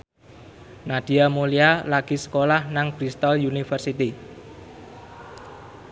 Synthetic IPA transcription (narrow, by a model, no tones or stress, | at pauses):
nad̪̥i̤amolialaɡ̥i̤sə̥kolahnaŋb̥ɾist̪ɔljunifərsit̪i